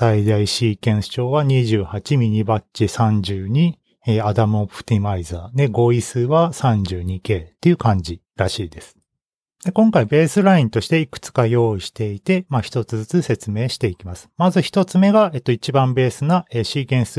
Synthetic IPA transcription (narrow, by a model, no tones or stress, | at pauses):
said̪aiɕiːkẽ̞ɰ̃sɨ̥t͡ɕo̞ːβaɲ̟iʑɨːhat͡ɕimʲiɲ̟ibat͡ɕisãɲ̟d͡ʑɨːɲ̟i | eːad̪amɯ̟opɯ̟̥t̪ʲimaizaːd̪e̞ɡo̞isɨβasãɲ̟d͡ʑɨːɲ̟ike̞ːt̪ːe̞iɯ̟kãɲ̟d͡ʑi | ɾaɕiːd̪e̞sɨ̥ | d̪̥e̞kõ̞ŋkaibe̞ːsɨɾaĩnt̪o̞ɕi̥t̪e̞ikɯ̟̥t͡sɨ̥kajo̞ːiɕi̥t̪e̞it̪e̞maçi̥t̪o̞t͡sɨzɨt͡sɨse̞t͡sɨme̞ːɕi̥t̪e̞ikʲimasɨ̥mazɨçi̥t̪o̞t͡sɨme̞ɡae̞t̪ːoit͡ɕibãmbe̞ːsɨnaeɕiːkẽ̞ɰ̃s